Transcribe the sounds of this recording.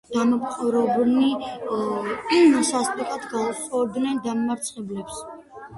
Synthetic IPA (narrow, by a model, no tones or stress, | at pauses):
d̪̥amɔpʰʼχʰʼɔɾɔbni | sast̪ʼɔkʰʼat̪ɡausɔd̪nɛnd̪ammaɾt̪sʼχʼɛblɛps